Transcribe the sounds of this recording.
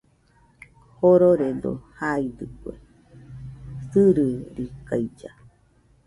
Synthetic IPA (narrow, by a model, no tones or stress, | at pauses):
hoɾoɾed̪o̰haid̪ɨkwḛ | sɨɾɨɾikajd͡ʒa